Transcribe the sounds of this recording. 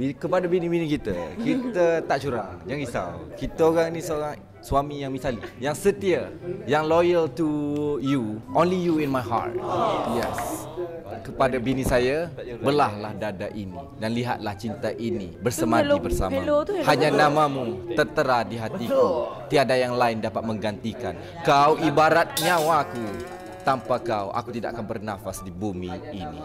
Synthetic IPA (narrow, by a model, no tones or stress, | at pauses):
bikəpadabinibinikit̪ə̰kit̪ət̪aʔt͡ʃuɾa̰ŋd͡ʒaŋɡisa̰lkit̪aoɾaŋinisəoɾaŋ | suamijaŋmisalijaŋsət̪iajaŋlojəlt̪ujuʔõnlijuinmajɦa̰rt̪̚jɛs | kəpadabinisajabəlahlahdada̰ʔinḭ | danliɦa̰t̪̚laht͡ʃint̪aʔinibərsəmãbərsa̰haɲanãmãmut̪ərt̪əɾadiɦat̪ikut̪iadajaŋlaɪndapat̪̚mə̃ŋɡant̪ikan | kawibaɾat̪̚ɲãwaːku | t̪ampakawʔa̰kut̪ida̰ʔa̰kanbərnafasdibumiːnḭ